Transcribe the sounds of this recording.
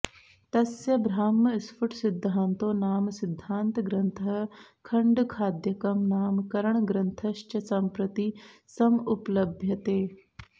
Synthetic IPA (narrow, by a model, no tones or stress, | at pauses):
t̪ɐsjɐbɾaːmːɐɪsfʊʈʰsɪd̪ʱːaːnt̪oːnaːmsɪd̪ʱːaːnt̪ɡɾɐnt̪ʰɐɦkʰɐɳɖkʰaːd̪jɐkɐmnaːmkɐɾəɳ̃ɡɾɐnt̪ʰɐʃt͡ʃɐsɐmpɾɐt̪isɐmuplɐbʱjɐt̪eː